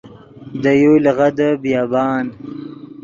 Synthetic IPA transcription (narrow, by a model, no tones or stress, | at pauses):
d̪əjolɣad̪əbjɑːbɑːn